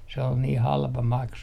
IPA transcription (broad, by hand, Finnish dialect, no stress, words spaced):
se ol niː hɑlpɑ mɑksu